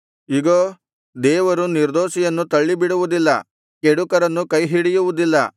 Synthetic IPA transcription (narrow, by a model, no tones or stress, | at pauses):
iɡoː | d̪ɛːʋɐɾuniɾd̪oːʃijɐnːut̪ɐɭːibiɽuʋud̪ilːɐ̰ | keɽukɐɾɐnːukɐjɦiɽijuʋud̪ilːɐ